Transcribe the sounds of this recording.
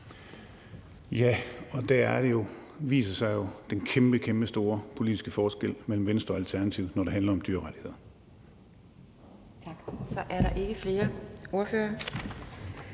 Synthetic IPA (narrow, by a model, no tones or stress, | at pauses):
jæɒ̽d̥æɐæɐɾ̥e̝jo̝ | ʋḭːsɐsɑ̈ɪjo̝d̥enkʰemb̥əkʰemb̥əsd̥o̝ːɐpʰo̝lid̥isɡ̥əfɒːsɡ̥el̰mel̰m̩ʋensd̥ʁɐɒ̽ælt͡sʰæɐnæt͡sʰiʊ̰nɒɾ̥e̝ɦænlɐɒ̽md̥yɐʁad̥ʰihe̝ð̰ˠɐ | t͡sʰɑɡ̥sɒ̽ʔæɐɾɑ̈ʔe̝ɡ̥əfle̝ːɐo̝ɐføːɐ